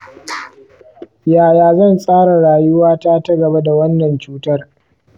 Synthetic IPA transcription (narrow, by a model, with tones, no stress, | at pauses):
jaː˨jaː˨zɐ˦˨nsʼaː˦ɽa˨ɽaː˨jʊ˦waː˦taː˦tɐ˦ɡɐ˨ba˦da˨wɐ˦nːɐ˨nt͡ʃuː˦tɐ˦r